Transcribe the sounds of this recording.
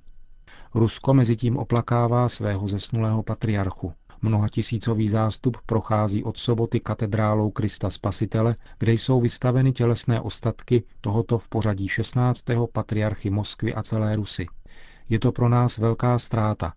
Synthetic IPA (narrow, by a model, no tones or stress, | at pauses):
ɾusko̞mɛzɪciːmʔo̞̰plakaːvaːsvɛːɦo̞zɛsnulɛːɦo̞pat̪ɾɪaɾxu | mnoɦacɪsiːt͡so̞viːzaːst̪uppɾo̞xaːziːʔo̞t̪sobo̞t̪ɪkat̪ɛd̪ɾaːlo̞wkɾɪst̪aspasɪt̪ɛlɛɡ̥dɛjso̞wvɪst̪avɛnɪcɛlɛsnɛːʔo̞st̪at̪kɪt̪o̞ɦo̞t̪o̞fpo̞ɾ̝aɟiːʃɛst̪naːt͡st̪ɛːɦo̞pat̪ɾɪjaɾxɪmo̞skvɪ̰ʔat͡sɛlɛːɾusɪ | jɛt̪o̞pɾo̞naːsvɛlkaːst̪ɾaːt̪a̰